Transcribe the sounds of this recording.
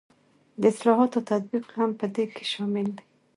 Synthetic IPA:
d̪əɪslɑɦɑt̪ot̪at̪̚biqhampəd̪ekʰe̥ʃɑmɪld̪i

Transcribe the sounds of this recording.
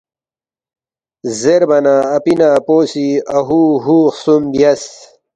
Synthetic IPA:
zeɾbɐnaːpinaːpoːsiaɦuɦuːxsumbjɐs

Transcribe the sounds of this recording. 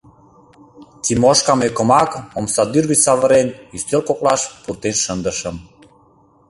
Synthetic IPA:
t̪ʲimoʃkɑmekə̆mɑkomsɑd̪yrβisɑβəɾenyst̪ølkok̚lɑʃpurt̪enʃənd̪ə̆ʃəm

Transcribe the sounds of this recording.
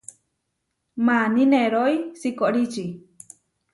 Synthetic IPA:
manineɾojsikoʔɾit͡ʃi

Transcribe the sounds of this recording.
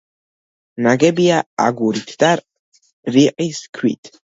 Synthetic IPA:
naɡɛbiaa̰ɡuɾit̪ʰd̪̥aɾ | ɾiqʼiskʰwḭt̪ʰ

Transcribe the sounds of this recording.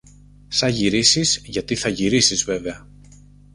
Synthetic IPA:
sɐʝiɾisizʝɐt̪iθɐʝiɾisizve̞veɐ

